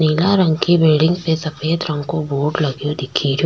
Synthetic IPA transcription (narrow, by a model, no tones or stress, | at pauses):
niːlaɾɐ̃ŋɡkibeːɖɪ̃ŋɡsesɐpʰeːt̪ɾɐ̃ŋɡkoboːɾɖlɐɡjod̪ɪkʰiːɾjo